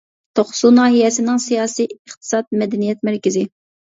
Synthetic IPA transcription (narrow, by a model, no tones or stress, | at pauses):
t̪ʰoχsunɑːɦijɛsɪnɪŋsijɑːsijəχt̪ʰɨ̥sɑt̪̚mɛd̪ɛnijɛt̪mæɾkʲɪzɪ